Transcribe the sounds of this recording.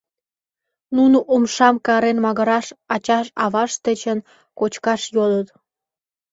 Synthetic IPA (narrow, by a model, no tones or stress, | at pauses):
nunoʔumʃɑmkɑɾenmɑɣəɾɑʃɑt͡ɕɑʃɑβɑʃt̪ə̆t͡ɕən | kot͡ɕkɑʃjolət̪